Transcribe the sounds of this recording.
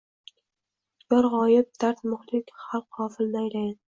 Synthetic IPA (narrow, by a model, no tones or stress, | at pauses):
jɒɾʁɒjɪp̚d̪aɾt̪mʊχlɪkʲχalˠqhɒːfɪlnɪajlajan